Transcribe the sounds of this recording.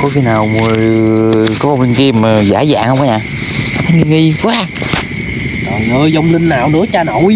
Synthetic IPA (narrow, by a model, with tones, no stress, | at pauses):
kɔ˨˦xi˧naː˨˩wmɨ˨˩əjkɔ˨˦va˨˧wŋ͡mlï˧ŋ̟t̪i˧m˨˩za̰ː˧˦za̰ː˧˨ŋhə˧wŋ͡mʔaː˨˦ɲaː˨˩ | a˧˦fa˨˦ŋi˧ŋi˧kwaː˨˦ | aː˨˩ʔəː˧jzɔ˧wŋ͡mlï˧ŋ̟naː˨wnɨ̰˧˥˦ət͡ɕaː˧no˧˨˩j